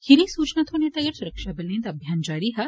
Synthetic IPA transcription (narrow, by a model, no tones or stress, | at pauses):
hiɾĩsuːt͡ʃnɐt̪ʰoːnet̪ɐːɡɐɾsuɾɐkʃaːbɐlẽnt̪ɐbʱjaːnd͡ʒaːɾiɦɐ